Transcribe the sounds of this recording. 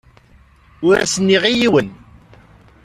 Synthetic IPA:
ʊɾæ̰sənːiʁijiwən

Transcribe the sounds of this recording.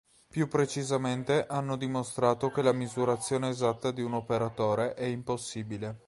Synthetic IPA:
pjupːɾet͡ʃizament̪eʔanːod̪imost̪ɾaːt̪okelamizuɾat̪sːjoːneːzat̪ːad̪iunopeɾat̪oːɾeʔɛimposːiːbile

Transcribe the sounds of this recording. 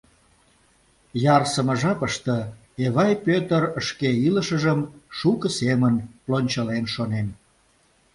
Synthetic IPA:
jɑrsəməʒɑpəʃt̪ə̆ | eβɑjpøt̪ərəʃkeiləʃəʒəmʃukəsemənplonʲt͡ɕəlenʃonen

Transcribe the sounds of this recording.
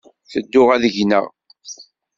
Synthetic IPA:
θəd̪ːʊʁæðəʝnə̰ʁ

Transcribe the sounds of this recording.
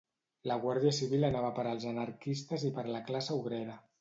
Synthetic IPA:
ləɣwaɾðiəsiβilənaβəpəɾəlˠzənəɾkist̪əzipəɾləklasəuβɾeɾə

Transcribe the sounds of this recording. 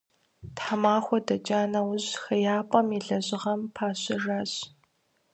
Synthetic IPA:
tħamaːxʷɔdɐt͡ʃʼaːnɐwʊʑxɐjaːpʼɐmiɮɐʑʼɪʁɐmpʰaːɕɐraːɕ

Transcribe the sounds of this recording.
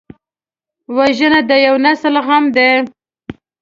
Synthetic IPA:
waʒənad̪əjawnasəlɣamd̪e

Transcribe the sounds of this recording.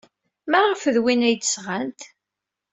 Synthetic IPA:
mæʁfəðwinæjt̪ə̥sʁænt̪

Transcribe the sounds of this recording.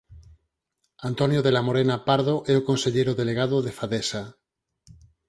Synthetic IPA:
ant̪onjoðe̞lamoɾenapaɾðoʔeokonseʎeɾoðe̞leɣ̞að̞oðe̞faðesa

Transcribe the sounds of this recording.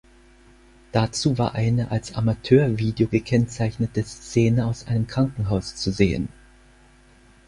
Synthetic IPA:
d̥at͡suːva̰ːɐʔaɪnəʔalsʔa̰matʰøːɐviːdeoɡəkʰɛnt͡saɪçnətəst͡seːnəaʊsʔa̰ɪnəmkʁ̥aŋkŋ̩ɦaʊst͡suzeːə̰n

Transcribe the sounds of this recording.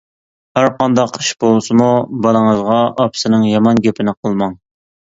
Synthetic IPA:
hæɾqɑnd̪ɑqʰːəʃbolˠsɨmubɑlˠəŋəzʁɑʔɑpʰɨ̥sɨnɨŋjɑmɑnɡʲepʰɪnɪqʰəlˠmɑŋ

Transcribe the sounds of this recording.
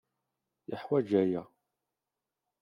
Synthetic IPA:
jəħwæd͡ʒæjæ

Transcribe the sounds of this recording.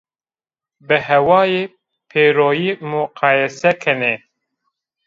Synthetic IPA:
bɨhɛwɑːjeː | pʰeːɾoːjiːmuqʰɑːjɛsɛkʰɛne

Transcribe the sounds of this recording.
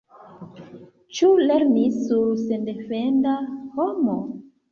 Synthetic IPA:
t͡ʃule̞ɾnisːuɾse̞nde̞fendaho̞mo

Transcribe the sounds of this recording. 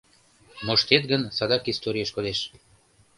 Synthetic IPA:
moʃt̪et̪̚ɡənsɑd̪ɑkist̪oɾʲijəʃkod̪eʃ

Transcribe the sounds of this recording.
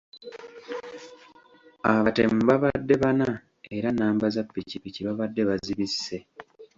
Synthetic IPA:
aβatem̩βaβadːe̞βana | eɾanaːmbazapːicipiciβaβadːe̞βaziβisːe̞

